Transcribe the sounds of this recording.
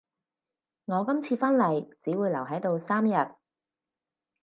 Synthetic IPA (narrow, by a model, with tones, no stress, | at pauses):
ŋɔː˨˧kɐ˥mt͡sʰiː˧fɐ˥nlɐ˨˩jt͡siː˨˥wuː˨˧jlɐ˨˩wɦɐ˨˥jt̪o˨˧wsaː˥mjɐ˨t̚